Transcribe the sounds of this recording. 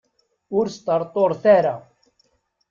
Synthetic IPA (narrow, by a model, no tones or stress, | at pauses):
ʊɾst̪əɾˤt̪ˤoɾˤθaɾa